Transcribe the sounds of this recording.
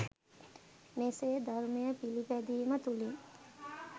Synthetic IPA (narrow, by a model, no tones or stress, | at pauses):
meseːd̪aɾmejəpilipæd̪iːmət̪uli